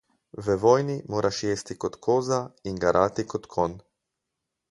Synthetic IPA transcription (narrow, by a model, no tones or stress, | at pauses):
ʋəʋɔːjnimoːɾʔaʃjeːst̪ikot̪kʰoːzaiŋɡaɾʔaːt̪ikot̪kʰon